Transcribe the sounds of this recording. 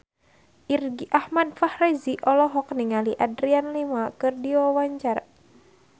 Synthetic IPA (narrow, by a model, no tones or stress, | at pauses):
ʔirɡiʔahmadfahrɛziʔɔlɔɦɔk̚niŋaliʔadɾianlimakɨrdiwawaɲt͡ʃar